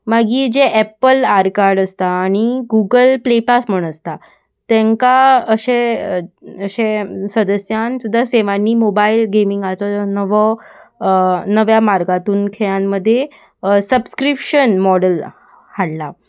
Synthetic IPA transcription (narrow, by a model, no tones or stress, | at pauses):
maɡiːd͡ʑeʔɛpəlaɾkaɾɖəst̪aːɽ̃iɡuɡəlplepasm̤əɳ̃əst̪a | t̪ɛ̃ŋkaəɕẽ | əɕẽsəd̪əsjansud̪ʱːaseʋanːiːmobailɡemiŋɡat͡sɔnəʋɔ | nəʋjamaɾɡat̪uːnkʰeɭjãnːəd̪ʱːje | səbskɾipɕənmɔɽəl | haɽla